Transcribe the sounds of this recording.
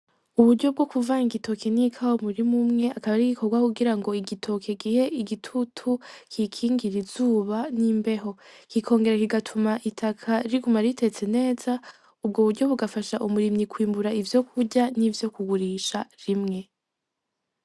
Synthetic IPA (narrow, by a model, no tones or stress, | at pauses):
uβuɾɟo̞b̚ɡo̞kuvaŋiɡito̞kʰe̞nikʰawomuɾimumŋe̞akaβaɾiɡikʰo̞ɾɡwakuɡiɾaŋɡo̞iɡitʰo̞kʰe̞ɡiːhe̞ʔiɡitʰutʰukʰikʰiːŋɡiɾiz̥uːβaniːmbe̞ɦo̞kikʰo̞ːŋɡe̞ɾekiɡatʰumaʔitʰakʰaɾiɡumaɾitʰe̞t͡se̞ne̞ːza | ub̚ɡoβuɾɟo̞βuɡafaʃaʔumuɾimɲikwiːmbuɾaivjo̞kʰuɟanivjo̞kuɡuɾiːʃaɾimŋe̞